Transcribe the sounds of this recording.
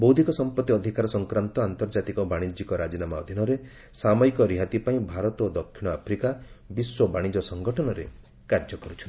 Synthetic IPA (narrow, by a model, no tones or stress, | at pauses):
bowd̪ʱikɔsɔmpɔt̪ːiɔd̪ʱikaɾɔsɔŋkɾant̪ɔant̪ɔɾd͡ʒat̪ikɔbaɽ̃id͡ʒikɔɾad͡ʒinamaɔd̪ʱinɔɾe | samɔikɔɾiɦat̪ipaĩbʱaɾɔt̪od̪ɔkʰːiɽ̃ɔapʰɾikabiswɔbaɽ̃id͡ʒɔsɔŋɡɔʈʰɔnɔɾḛ | kaɾd͡ʒɔkɔɾut͡ʃʰɔni